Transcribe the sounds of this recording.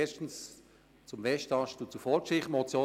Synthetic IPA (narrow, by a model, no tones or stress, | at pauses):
ɛʃtn̩s | t͡sʊmvɛʃtɑʃtut͡sufɔɾkʃɪχmɔt͡sjoː